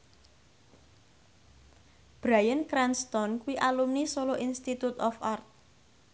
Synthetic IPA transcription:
b̥ɾajənkɾanst̪ɔnkuwiʔalumnisoloʔinst̪it̪ut̪ɔfart̪̚

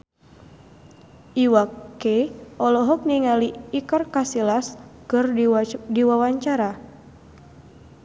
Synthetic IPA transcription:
ʔiwakeʔɔlɔɦɔk̚niŋaliːkɔrkasilaskɨrdiwawaɲt͡ʃaɾa

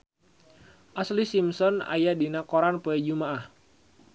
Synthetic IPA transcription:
ʔaslisimsɔna̰jadinakoɾanpuɛd͡ʒumaʔah

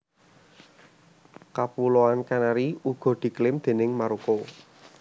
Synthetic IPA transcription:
kapuloankanaɾiuɡ̥ɔ̤d̪̥i̤klɪmd̪̥e̤nɪŋmaɾuko

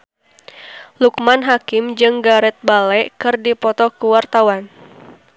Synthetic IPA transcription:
lukmanɦakɪmd͡ʒɨŋɡaɾɛt̪̚balɛʔkɨrdipɔt̪ɔkəwart̪awan

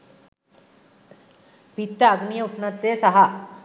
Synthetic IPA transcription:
pit̪ːɐːɡnijɐusnɐt̪ːeːsɐɦɐ

